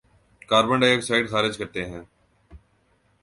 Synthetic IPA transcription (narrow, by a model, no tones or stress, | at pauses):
kaːɾbə̃ɳɖeeksaːɪɖxaːɾɪd͡ʒkəɾt̪eɦɛ̃ː